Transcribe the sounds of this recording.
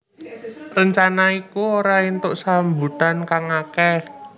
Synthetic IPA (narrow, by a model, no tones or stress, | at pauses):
rəɲt͡ʃanaikuoɾaint̪ʊʔsambṳt̪ankaŋakɛ